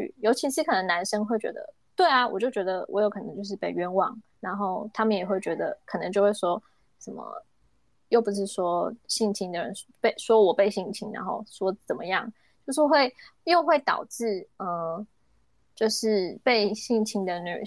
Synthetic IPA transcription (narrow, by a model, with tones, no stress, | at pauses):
y̰˨˩jo˧˥ʊt͡ɕʰi˧˥ʂɻ̩˥˩kʰɤ˨˩nə˧˥ŋna˧˥nʂə˥ŋxwe˥˩ɪt͡ɕɥɛ̰˧˥d̪ə̰˧ | t̪we˥˩ɪa˩wɔ̰˨˩t͡ɕjo˥˩ʊt͡ɕɥɛ˧˥d̪ə˧wʔɔ̰˧˥jo˧˥ʊkʰnɤ̰˧˦ŋt͡ɕjo˥˧ʊʂɻ̩˥˧pe˥˩ɪɥɛ˥nwɑ̰˨˩ŋ | na˧˥nxo˥˩ʊt̪ʰa˥mə˨njɛ˨˩xwe˥˩ɪt͡ɕɥɛ˧˥d̪ə̰˧kʰə˨˩nɤ˧˦ŋt͡ɕjo˥˧ʊxwe˥˩ʂwɔ˥ | ʂə˨˩mə̰˦ | jo˥˩ʊpu˧˥ʂɻ̩˥˩ʂwɔ˥ɕi˥˩ŋt͡ɕʰi˥ŋd̪ə˨ɻə̰˧˦npe˥˩ɪswɔ˥wɔ˨˩pe˥˧ɪɕi˥˩ŋt͡ɕʰi˧˥ŋna̰˧˦nxo̰˥˧ʊʂwɔ˥t͡sə˨˩nmə˦jɑ˥˩ŋ | t͡ɕjo˥˧ʊʂɻ̩˥˧xwe˥˧ɪjo˥˧ʊxwe˥˩ɪt̪ɑ̰˨˩ʊʈ͡ʂɻ̩˥˩ə˩ | t͡ɕjo˥˧ʊʂɻ̩˥˧pe˥˧ɪɕi˥˩ŋt͡ɕʰi˧˥ŋd̪ə˨ny̰˨˩